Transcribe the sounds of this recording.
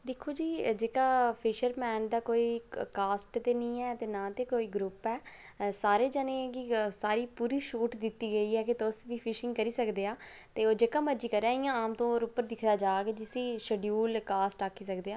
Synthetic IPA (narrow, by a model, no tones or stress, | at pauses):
d̪ɪkʰːoːd͡ʒiːd͡ʒeːkaːpʰɪʃəɾmɛːnd̪aːkoːiːkaːsʈt̪eːnĩːɛːt̪eːnãːt̪eːkoːiːɡɾʊpɛː | saːɾeːd͡ʒənẽːkisaːɾiːpuːɾiːʃuːʈd̪ɪt̪ːiːɡəiːɛːkɪt̪ʊsʋiːpʰɪʃɪ̃ŋɡkəɾiːsəkd̪eːaːt̪eːoːd͡ʒeːkaːməɾd͡ʒiːkəɾɛ̃ːɪjãːaːmt̪õːoːɾʊpːəɾd̪ɪkʰd̪aːd͡ʒaːɡɛːd͡ʒɪsiːʃəɖjuːlkaːsʈaːkʰːiːsəkd̪eːaː